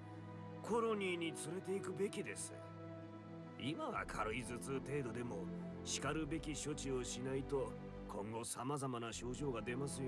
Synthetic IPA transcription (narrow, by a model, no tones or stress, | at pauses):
kʰo̞ɾo̞ɲ̟iːɲ̟it͡sɨɾe̞t̪e̞ikɯ̟be̞kʲid̪e̞sɨ̥ | imaβa̰kʰaɾɯizɨt͡sɨt̪e̞ːd̪o̞d̪e̞mo̞ | ɕi̥kaɾɯ̟be̞kʲiɕo̞t͡ɕio̞ɕinait̪o̞ | kʰõ̞ŋɡo̞samazamanaɕo̞ːʑo̞ːɡad̪e̞masɨj